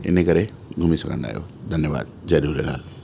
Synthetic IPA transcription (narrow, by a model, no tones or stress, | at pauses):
ɪ̰nekɐɾe | ɡʱʊmisɐ̰ɡʰʱə̃nd̪a̰ːijo̰ːd̪ʱɐnjəʋa̰ːd̪̚zɐɾuːɾəlɦa̰ːl